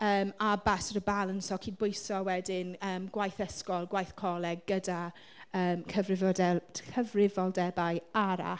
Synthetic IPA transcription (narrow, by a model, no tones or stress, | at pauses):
əːmabasəɾəbalˠənsɔkʰiːd̚bʊjsɔwɛdɪnəːmɡwajθəskɔlˠɡwajθkʰɔlˠɛɡəda | əːmkʰəvrɪvɔdɛkʰəvrɪvɔlˠdɛbajaɾa̰